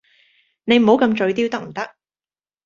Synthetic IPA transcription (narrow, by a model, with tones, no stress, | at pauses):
ne˨˧jm̩˨˩ho˨˥wkɐ˧mt͡ʃɵ˨˧ɥt̪i˥wt̪ɐ˥k̚m̩˨˩t̪ɐ˥k̚